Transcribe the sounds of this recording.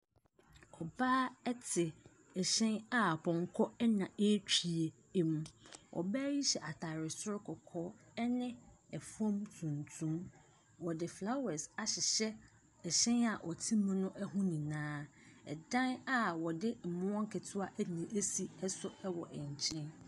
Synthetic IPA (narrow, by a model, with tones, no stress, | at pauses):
ɔ˨baː˦ɛ˦tʰɪ˨ | ɛ˨ɕɛ̃˦na˦˨pʰɔ̃˨ŋ˨kʰɔ˦ɛ˦nã˨e˦t͡ɕᶣi˨e˨˦ | mũ˨ɔ̰˨bæː˦ji˦ɕɛ˨ʔa˨tʰa˨ɾɪ˨sʊ˦ɾkʰɔ˨kʰɔ˦ɛ˦nɪ̃˦ | ɛ˨fɔ̃˦mtʰũ˨ntʰũ˦m | wɔ˨dɪ˨fla˦wɛ˨sa˨ɕɪ˨ɕɛ˦ | ɛ˨ɕɛ̃˦na˨ʔɔ˨tʰĩ˦mũ˦nʊ̃˦ʔɛ˦ɦʊ̃˦nĩ˨nãː˦ɛ̰˨dã˦na˦wɔ˨dɪ˦m̩˨mʊ̃˦ɔ̃˦ŋ˦kʰɛ˨tʰʊ˦a˦ʔɛ˦nĩ˨ʔe˦si˨ɛ˦sʊ˦ɛ˦wɔ˨ʔɛ̃˨ɲ˨t͡ɕʰɪ̃˦n